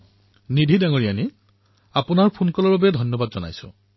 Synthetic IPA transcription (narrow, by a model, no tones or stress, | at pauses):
nidʱidaŋɔɹijani | apʊnaɹpʰunkɔlɔɹbabɛdʱɔnjɔbadzɔna̰jsʊ̰̃